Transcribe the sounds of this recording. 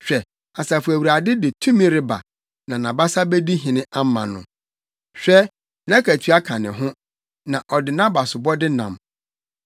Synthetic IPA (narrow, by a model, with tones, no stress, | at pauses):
ɕᶣɛ˨ | a˨sa˨fu˨æ˨wɾa˨dɪ˦dɪ˨tʰũ˦mĩ˦ɾɪ˦ba̰˨ | nã˨nã˨ba˦sa˦be˦di˦ɦĩ˨nɪ̃˦ʔa˦m˦mã̰˨nʊ̃˨ | ɕᶣɛ˦ | nã˦kʰæ˨tʰɥa˦kʰã˨nɪ̃˨ɦʊ̃˦ | nã˨ʔɔ˨dɪ˨nã˦ba˨sʊ˨bɔ˦dɪ˦nã̰˨m